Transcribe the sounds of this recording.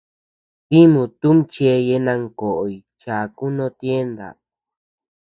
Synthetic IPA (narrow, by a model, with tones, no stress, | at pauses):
t̪i˦mũ˧t̪u˦mt͡ʃe˧je˧nã˧ŋko˨ʔo˨i˨ | t͡ʃa˨ku˦nõ˧t̪je˦nd̪a̰˨